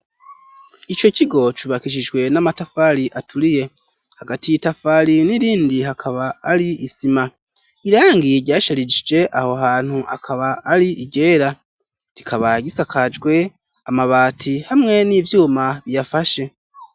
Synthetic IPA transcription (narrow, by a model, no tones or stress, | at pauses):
it͡ʃo̞ciɡo̞t͡ʃuβakiʃ̬id͡ʒɡwe̞namatafaɾiʔatʰuɾije̞ | haɡatijitafaːɾiniɾiːndihakʰaβaːɾiːsima | iɾaːŋɡiɾɟaːʃaɾid͡ʒid͡ʒe̞ʔaho̞ɦaːn̥huʔa̰kʰaβaːɾiiɟe̞ːɾa | ɾikʰaβaɟisakʰad͡ʒɡwe̞ | amaβaːtʰihamŋe̞nivjuːmaβijafaʃe̞